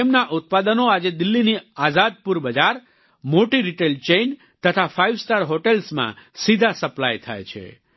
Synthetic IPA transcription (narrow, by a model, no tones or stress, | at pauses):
emnaʔʊt̪̚pad̪ənoad͡ʒed̪ɪlːiniazad̪̚puɾbəd͡ʒaɾ | moʈiɾiʈelt͡ʃejn | t̪ət̪ʰafaiʋsʈaɾɦoʈelsmã̰sid̪ʱasəplajt̪ʰa̰jt͡ʃʰḛ